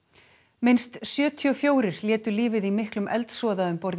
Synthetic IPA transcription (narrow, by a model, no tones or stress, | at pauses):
mɪnst̪sjœːt̪ʰiɔfjoːwɾɪɾ̥ljɛːt̪ʏliːvɪðimɪhklʏmʔɛlt̪sɔːðaʏmpɔɾt̪